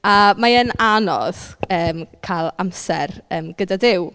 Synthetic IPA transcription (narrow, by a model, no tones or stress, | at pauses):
amaənanɔ̰ð̥əːmkʰalˠamsɛ̰rəːmɡ̥ədadɪw